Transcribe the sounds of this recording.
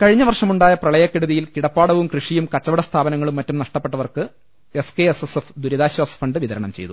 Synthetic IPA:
kɐɻiɲːɐʋɐrʂɐmuɳɖaːjɐprɐɭɐjɐkːeɽuðijilkiɽɐpːaːɽɐʋumkrɨʂijumkɐt͡ɕːɐʋɐɽɐst̪ʰaːbɐnɐŋːɐɭumːɐtːumnɐʂʈɐpːeʈːɐʋɐrkɨ | eske̞esesefd̪uɾɐðaːɕɐsɐ̥fɐɳɖɨʋiðɐɾɐɳɐmt͡ɕe̞jt̪u

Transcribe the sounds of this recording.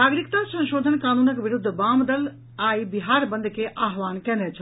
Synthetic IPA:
aːɡɾik̚t̪ãːsɐ̃nʃoːd̪ʱənkaːnuːnəkʋɪɾʊd̪ʱːbaːmd̪ɐl | aːibiɦaːɾbɐ̃nd̪ʱkʰeʔaːɦʋaːnkɛ̃ːnd̪et͡ʃʰɐ

